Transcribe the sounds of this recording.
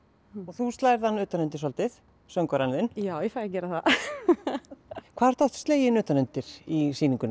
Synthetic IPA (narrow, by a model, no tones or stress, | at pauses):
ɔɣθust̪laːjɾðanːʏːt̪anʏnt̪ɪsɔlt̪ɪθ | sœŋkɔɾanvɪnjaːwjɛfaːɾacɛːɾaθa | kʰvaːðɾ̥t̪ɔht̪st̪leːjɪnʏːt̪anʏnt̪ɪɾisiːniŋkʏn